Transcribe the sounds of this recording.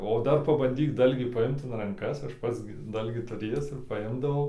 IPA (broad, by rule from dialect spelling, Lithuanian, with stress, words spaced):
oː ˈdɐr pɐbɐnʲˈdʲiːk ˈdɐlʲɡʲiː pɐˈɪmt ɪn rɐŋˈkɐs ˈɐʃ ˈpɐts ɡʲɪ ˈdɐlʲɡʲiː tʊˈrʲeːjæːs ɪr pɐˈɪmdɐʋɐʊ